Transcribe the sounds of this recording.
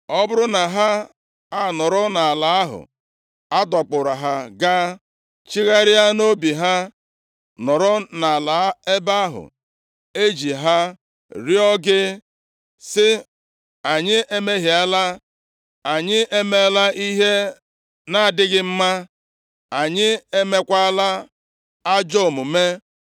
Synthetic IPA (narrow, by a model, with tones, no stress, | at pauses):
ɔ˦bʊ˦ɾʊ˦na˨ɦa˦ | a˦˨nɔ˨ɾʊ˦na˨a˨la˨a˦ɦʊ̰˨ | a˦dɔ˨k͡pʊ˨ɾa˨ɦa˦ɡa˦ | t͡ʃi˦ɣa˦ɾɪ˦a˦no˦bi˨ɦa˦ | nɔ˨ɾʊ˦na˨a˨la˨˦e˦ba˦ɦʊ̰˨ | e˦d͡ʒi˨ɦa˦ | ɾi˦ɔ˦ɡɪ˦ | sɪ˦ | a˨ɲɪ˦ʔe˦me˦ɦi˨a˦la˦ | a˨ɲɪ˦ʔe˦me˦la˦ʔi˦ɦe˦ | na˨a˨dɪ˦ɡɪ˦m̩˦ma˦ | a˨ɲɪ˦e˦me˦kʷa˦la˦ | a˦d͡ʒo˦˨mʊ˨me˦